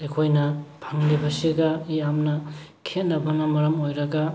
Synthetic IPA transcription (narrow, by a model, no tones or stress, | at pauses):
ekʰojnɐpʰaŋlibɐsiɡajamnakʰenɐbɐnamɐɾɐmojɾaɡa